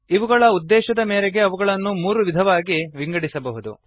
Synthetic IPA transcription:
iʋuɡɐɭɐud̪ːɛːʃɐd̪ɐmeːɾeɡe̞ɐʋuɡɐɭɐnːumuːɾuʋid̪ʱɐʋaːɡiʋiŋɡɐɽisɐbɐɦud̪u

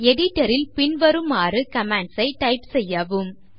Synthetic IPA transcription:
ɛɽɪʈːɐɾɪlpɪnʋɐɾɯmaːrɯkɐmɛɳɖsɐɪʈɐɪpsɛjːɐʋɯm

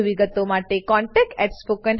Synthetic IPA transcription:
ʋiɡət̪omaʈekɔ̃ɳʈɛk̚ʈɛʈspokən

